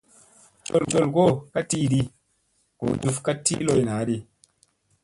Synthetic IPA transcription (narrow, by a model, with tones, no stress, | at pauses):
ko̰˦˨lɡo˦˨lɡo˦˨ka˦ti˦ɗi˧ | ko̰˨d͡ʒu˧fka˦tːḭ˦lo˧jna˨˦ɗi˧